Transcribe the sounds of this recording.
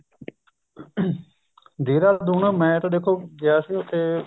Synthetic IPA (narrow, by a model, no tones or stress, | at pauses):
d̪eːɾaːld̪uːnaːmɛ̃ːt̪ãːd̪eːkʰːoːɡɪaːsiːot̪eː